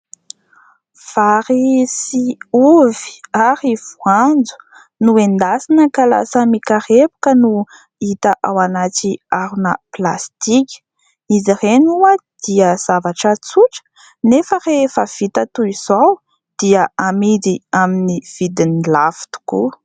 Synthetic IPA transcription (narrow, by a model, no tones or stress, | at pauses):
faɾisiuvi̥aɾiv̥uand͡zu̥ | nuend̪asinəkala̰səmikaɾepu̥kənu | it̪aʔawanat͡ʃiaɾunə̰pla̰st̪ikʲ | nizirenuəd̪̥iəz̥avaʈ͡ʂət͡suʈ͡ʂə̥ | nefərefəv̥it̪ət̪uiz̥aw | d̪̥iəamid̪iaminiv̥id̪inilafi̥t̪u̥kṵ